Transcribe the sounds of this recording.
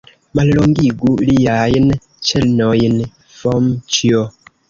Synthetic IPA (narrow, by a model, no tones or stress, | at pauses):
mallɔŋɡiɡulijajən | t͡ʃɛlnɔjin | fɔmt͡ʃiɔ